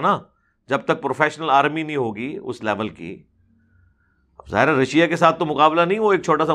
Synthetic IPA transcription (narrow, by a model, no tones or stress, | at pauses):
na | d͡ʒɐb̚t̪ɐk̚pɾoːfɛːʃnəlaːɾminɐĩɦoːɡiːʊ̰slɛːʋəlkḭː | ɐbza̰ːɦɪɾɛɾɐʃijakesaːt̪̚ʰt̪ːomʊkaːblanɐɦĩʋoeːk̚t͡ʃʰoːʈas̬a